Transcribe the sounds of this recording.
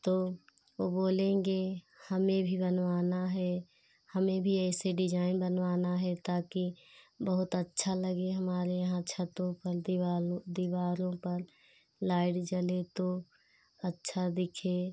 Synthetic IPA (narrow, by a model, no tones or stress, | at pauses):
t̪oː | oboːlẽːŋɡe | həmẽbʱibənʋaːnaɦɛ | həmẽbʱiɛːseɖɪd͡ʒaːɪnbənwaːnaɦɛt̪aːkibəɦʊt̪ətːʃʰaləɡeɦəmaːɾejəɦãt͡ʃʰət̪õpəɾd̪iad̪iʋaːɾõpəɾ | laːɪʈd͡ʒəlet̪o | ətːʃʰad̪ɪkʰe